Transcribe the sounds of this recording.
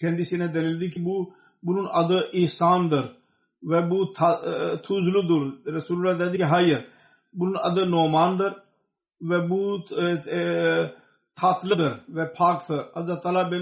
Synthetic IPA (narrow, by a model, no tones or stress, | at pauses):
kʰẽːnd̪iːsined̪ɐlild̪ikibu | bulunɐd̪əʔɪhsaːnd̪əɾ | ʋebut̪ʰat̪ʰuzulud̪uɾɾɐsuːlulaːd̪ɛːd̪ikiɦaːjəɾ | bulunɐd̪ənoːmaːnd̪əɾ | ʋebu | t̪ʰaːt̪ləd̪əɾʋepʰaːkt̪ʰəɾɐzat̪aːlaːbe